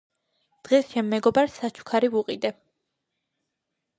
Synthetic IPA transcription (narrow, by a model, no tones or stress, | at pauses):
d̪̥ʁɛst͡ʃʰɛmːɛɡɔbaɾsat͡ʃʰu̥kʰaɾivuqʼid̪ɛ